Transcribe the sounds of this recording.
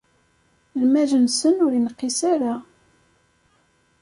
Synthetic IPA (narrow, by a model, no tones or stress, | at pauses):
lmæʒənsənʊɾinqːisaɾa